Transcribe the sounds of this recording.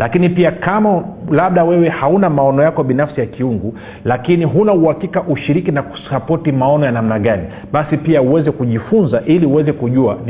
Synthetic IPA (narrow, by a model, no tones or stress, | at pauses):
lakinipiakamalaɓ̚ɗawɛwɛhaunamaɔnɔjakɔɓinafsijakiuŋɡu | lakiniɦunauhakikaʔuʃiɾikinaku̥sapɔtimaɔnɔjanamnaɠani | ɓasipiauwɛzɛkuʄifunzaʔiliuwɛzɛkuʄua